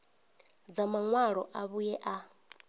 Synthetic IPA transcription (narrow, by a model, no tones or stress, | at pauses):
d͡zamaŋwaɺɔʔaβujɛʔa